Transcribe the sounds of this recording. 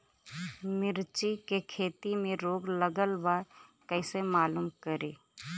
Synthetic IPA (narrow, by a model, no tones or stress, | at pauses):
mɪɾt͡ʃikekʰeːt̪imẽɾoːɡləɡəlbakəɪsemaːluːmkəɾeː